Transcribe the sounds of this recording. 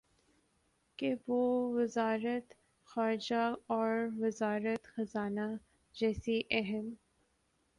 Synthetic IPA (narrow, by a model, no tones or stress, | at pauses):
keʋoːʋɪzaːɾət̪ | xaːɾɪd͡ʒaɔːɾʋɪzaːɾət̪xɐzaːna | d͡ʒɛːsiʔɛɦɛm